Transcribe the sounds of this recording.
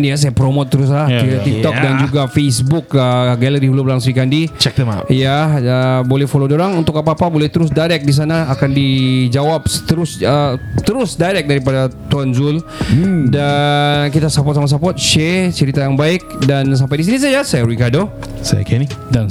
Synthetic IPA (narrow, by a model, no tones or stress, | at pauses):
nijas̬ajapɾomot̪ːəɾʊs̬lahiat̪ik̚t̪ɔdand͡ʒuɡafesbʊkəɡaləɾihulobəlaŋsɾikandit͡ʃɛk̚t̪əa̰jaəbolɛhfolodoɾaŋunt̪ʊkapaːpabolɛht̪əɾʊs̬dajɾɛk̚dis̬anaːkandid͡ʒawap̚sə̥t̪əɾʊsət̪əɾʊsdajɾɛk̚daɾipadat̪uanzʊl | dankit̪asapɔt̪̚samas̬apɔt̪̚ʃɛt͡ʃəɾit̪ajaŋbaɪk̚dans̬ampajdis̬inis̬ad͡ʒasajaɾuikado | sa̰ja̰kɛni